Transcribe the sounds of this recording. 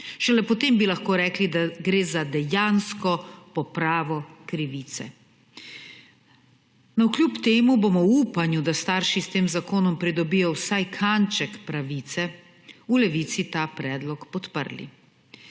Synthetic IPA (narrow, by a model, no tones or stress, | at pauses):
ʃɛlɛpɔt̪eːmbilaxkoːɾɛːklid̪aɡɾeːzad̪ɛjanskɔpɔpɾaːʋɔkɾiʋiːt̪sɛ̰ | nɔwklʲjupt̪eːmubomɔwuːpanjud̪ast̪aːɾʃist̪eːmzakoːnɔmpɾid̪ɔbijɔwsajkʰant͡ʃɛkpɾaʋiːt̪sɛ | ulɛʋiːt̪sit̪aːpɾɛːd̪lɔkpɔt̪pə̰ɾlḭ